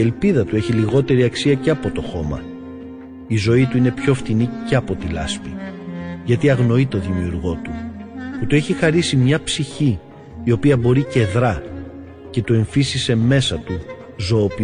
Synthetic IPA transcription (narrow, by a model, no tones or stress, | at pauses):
e̞lpiðɐt̪ue̞çiliɣo̞t̪e̞ɾiɐksiɐceɐpo̞t̪o̞xo̞mɐ̰ | izo̞it̪uine̞pço̞ft̪iniceɐpo̞t̪ilɐ̰spi | ʝɐt̪iɐɣno̞it̪o̞ðimiuɾɣo̞t̪uput̪ue̞çixɐɾisimɲɐpsiçiː | o̞piɐbo̞ɾice̞ðɾɐ | ce̞t̪ue̞ɱfisise̞me̞sɐt̪u | zoop